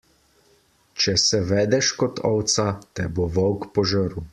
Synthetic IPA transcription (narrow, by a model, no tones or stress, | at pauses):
t͡ʃɛsɛʋɛːd̪ɛʃkɔt̪ʰɔwt̪sat̪ɛboʋɔwkpɔʒəɾu